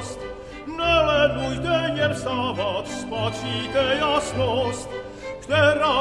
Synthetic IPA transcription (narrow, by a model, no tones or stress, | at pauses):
st̪ | nɛlɛnujd̪ɛɲɛɾsaːvat̪spat͡ʃit̪ɛjasnost̪ | kt̪ɛɾaː